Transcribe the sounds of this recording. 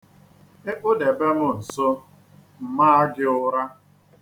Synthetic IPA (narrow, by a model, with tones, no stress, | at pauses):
e˦ʔʊ˦de˨be˦mʊ˦n̩˨so˦ | m̩˨maː˦a˦ɡɪ˦ʊ˦ɾa˦